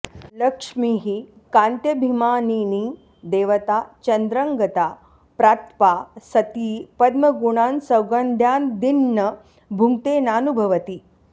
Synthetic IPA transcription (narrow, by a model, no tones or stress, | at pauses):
lɐkʂmiːɦi | kãːnt̪jɐbʱimaːniːniː | d̪eːʋɐt̪aːt͡ʃɐnd̪ɾəŋɡɐt̪aː | pɾaːt̪pasɐt̪iːpɐd̪mɐɡuɳ̃aːnsɐwɡɐnd̪ʱjaːnd̪inːɐ | bʱuŋt̪eːnaːnubʱɐʋɐt̪iː